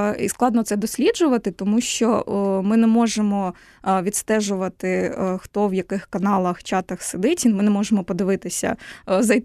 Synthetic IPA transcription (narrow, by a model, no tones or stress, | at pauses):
ḭsklˠɑd̪nɔt̪sɛd̪ɔsʲlʲid͡ʒʊʋɐt̪ɪt̪ɔmuʃt͡ʃɔmɪnɛmɔʒemɔ | ʋʲid̪st̪ɛʒʊʋɐt̪ɪxt̪ɔwjɐkɪxkɐnɑlˠɐxt͡ʃɑt̪ɐxsɪd̪ɪtʲinmɪnɛmɔʒemɔpɔd̪ɪʋɪt̪ɪsʲɐ̰zɐj